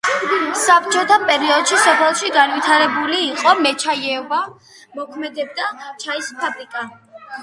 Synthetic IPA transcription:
sapt͡ʃʰʼɔt̪ʰampʼɛɾiɔd̪̥ʃisɔpʰɛlˠʃiɡanwit̪ʰaɾɛbuliːqʼɔmɛt͡ʃʰajɛva | mɔkʰmɛd̪ɛb̚d̪at͡ʃʰaispʰabɾikʼa

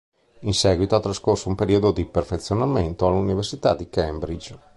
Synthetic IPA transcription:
insɛːɡwit̪oat̪ːɾaskorsoumpeɾiod̪od̪iperfet̪sːjonament̪oaluniversit̪a̰d̪ikɛmbɾid͡ʒ

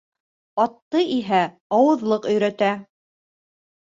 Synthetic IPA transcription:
ɑt̪ːɤʔiɦæ | ɑwɤ̆ðlˠɤqɵ̆jɾæt̪æ

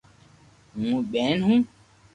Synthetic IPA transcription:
ŋũɓɛ̃nhũ

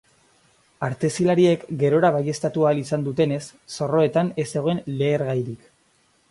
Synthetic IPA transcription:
aɾt̪e̞silaɾie̞kɡe̞ɾo̞ɾaβaje̞st̪at̪uaːlisand̪ut̪e̞ne̞sːo̞ro̞e̞t̪ane̞se̞ɣo̞e̞nle̞ːɾɣajɾik

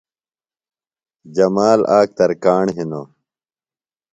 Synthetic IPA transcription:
d͡ʑɐmaːlaːk̚t̪ɐɾkaːɳɦinoː

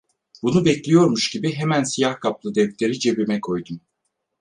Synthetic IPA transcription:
b̥unubɛclʲijo̞ɾmuʃɟibiɦemænsijahkʰap̚lˠɯd̪ɛft̪leɾid͡ʒe̞bimɛkʰo̞jd̪um

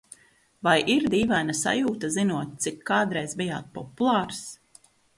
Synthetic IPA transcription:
vajʔiɾd̪iːvajnasa̰juːt̪azinuɔt̪̚t̪sikʰːaːd̪ɾɛjzbija̰ːt̪̚pɔpulˠɑːɾs

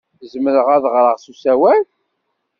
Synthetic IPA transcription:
zməɾəʁæðʁɾˤəʁsusæwæl

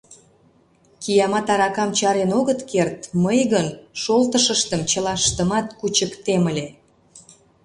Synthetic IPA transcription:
kijɑmɑt̪ɑɾɑkɑmt͡ɕɑɾenoɣət̪kert̪məjɣənʃolt̪əʃəʃt̪əmt͡ɕəlɑʃt̪əmɑt̪kut͡ɕəkt̪eməlʲe

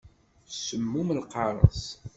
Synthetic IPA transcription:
səmːuməlqɑɾˤə̰s

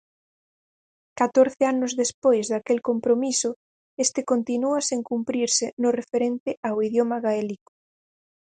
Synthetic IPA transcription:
kat̪oɾθeanʊzðespojzðakelkompɾomisʊ | est̪ɪkont̪inuaseŋkumpɾiɾsɪnʊrefeɾent̪ɪawiðjomaɣaelikʊ̥

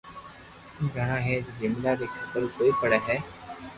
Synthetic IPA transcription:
iːɡʱəɽãːɦeːd͡ʒzɪmlaːd̪eːkʰət̪əɾkoːiːpəɽɛːɦɛː

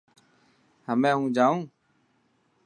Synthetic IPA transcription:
həmẽːɦũːd͡ʒaːũː

